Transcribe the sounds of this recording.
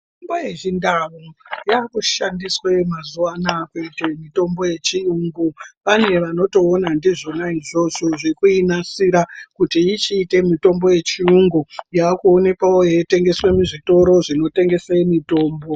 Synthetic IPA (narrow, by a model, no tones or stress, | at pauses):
ombojeʐindaʋojakuʃandiswe̞mazuwanakuitemito̞mbo̞je̞t͡ʃiuŋɡupane̞ʋano̞to̞ːnandiʐonaiʐo̞ʐoʐikuinasiɾakutiːt͡ʃiːte̞mito̞mbo̞je̞t͡ʃiuŋɡujakuone̞kawojete̞ŋɡe̞swe̞muʐito̞ɾo̞ʐino̞te̞ŋɡe̞semito̞ːmbo̞